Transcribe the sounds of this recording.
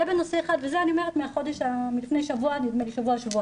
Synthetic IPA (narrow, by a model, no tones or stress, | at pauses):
abeno̞se̞ːχad̪vezeanio̞me̞ʁet̪meaχo̞d̪eʃamilifne̞jʃavuanid̪meleʃavuaʃavua